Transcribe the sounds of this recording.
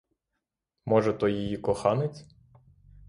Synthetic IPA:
mɔʒɛt̪ɔjijikɔxɑnɪt͡sʲ

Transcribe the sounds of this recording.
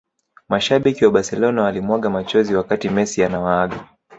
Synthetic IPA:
maʃaɓikiwaɓasɛlɔnawalimwaɠamat͡ʃɔziwakatimɛsianawaaɠa

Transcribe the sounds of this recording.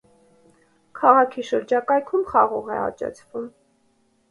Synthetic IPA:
kʰɑʁɑkʰiʃəɾd͡ʒɑkɑjkʰumχɑʁɔʁɛ̰ɑ̰t͡ʃɑ̰t͡sʰvum

